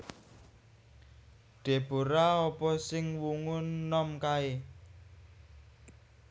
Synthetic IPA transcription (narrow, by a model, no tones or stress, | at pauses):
ɖ̪̥e̤b̥o̤ɾaɔpɔsɪŋwuŋʊnːɔmkae